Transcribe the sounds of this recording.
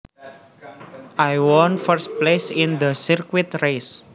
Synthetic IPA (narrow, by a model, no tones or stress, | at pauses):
ʔajwɔnfəɾst̚plesind̪əsirkwɪt̪res